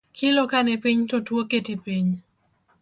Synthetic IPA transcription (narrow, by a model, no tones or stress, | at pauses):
kʰɪlɔkanɛpiɲtotwoketipiɲ